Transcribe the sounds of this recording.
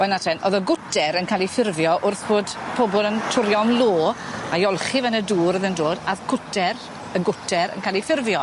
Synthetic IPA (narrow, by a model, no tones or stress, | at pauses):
b̥ɔnatʰɛnʔɔðəɡʊtʰɛɾənkʰaːlˠifɪrvjɔʔʊrθhoːdpʰɔbɔlˠəntʰʊɾjɔmloːajɔlˠχivɛnəduːɾəðəndoːdaðkʰʊtʰɛr | əɡʊtʰɛɾə̰nkʰaːlˠifɪrvjɔ